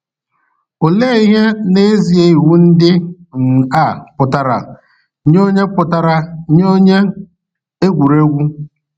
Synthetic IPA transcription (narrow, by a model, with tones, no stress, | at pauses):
o˨le˦i˦ɦe˦ne˦zi˨e˦i˨ɦu˦n̩˦dɪ˦ | n̩˨a˦˨pʊ˨ta˨ɾa̰˨˦ | ɲ˦o˦ɲe˦pʊ˨ta˨ɾa˨˦ɲo˦ɲe˦ | e˦ɡʷu˨ɾe˦ɡʷu˦